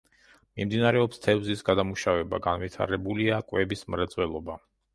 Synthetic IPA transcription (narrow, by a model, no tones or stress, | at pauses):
mimd̪inaɾɛɔpst̪ʰɛvzisɡad̪amuʃavɛba̰ɡanvit̪ʰa̰ɾɛbuliakʼwɛbismɾɛd̪zʼwɛlˠɔba